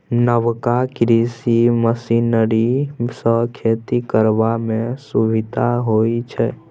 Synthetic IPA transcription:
nəʋkakɾisiməsinəɾisəkʰeːt̪ikəɾʋamẽsuʋɪd̪ʱaɦoːit͡ʃʰɛ

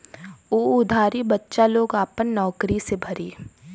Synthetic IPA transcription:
oːʊd̪ʱaːɾibɐtːʃaloːɡaːpənːɔːkɾisebʱɐɾiː

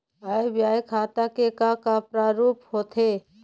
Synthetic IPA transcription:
aːebjaːjkʰaːt̪akekakapɾaːɾuːphoːt̪ʰe

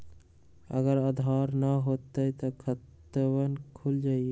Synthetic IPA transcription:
ə̰ɡəɾəd̪ʱaɾnəɦot̪ːəjt̪ɔkʰət̪ː | əβənkʰuld͡ʒaːie

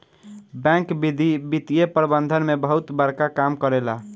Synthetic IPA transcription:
bɛ̃kbid̪ʱibit̪iepɾəbənd̪ʱənmebəɦut̪bəɾkakamkəɾela

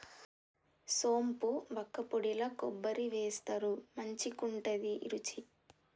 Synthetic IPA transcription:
so̞ːmpuʋɐkːɐpoɽilɐkɔbːɐɾiʋeːst̪ɐɾumɐɲt͡ʃikuɳʈɐd̪iʔḭɾut͡ʃi

